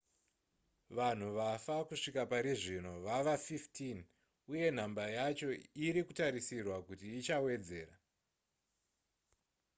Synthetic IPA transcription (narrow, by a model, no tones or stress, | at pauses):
ʋan̤uʋafakuʂikapaɾiʐino̞ʋaʋafiftʰin | uje̞n̤ambajat͡ʃo̞iɾikutaɾisirwakutiːt͡ʃawe̞d͡ze̞ːra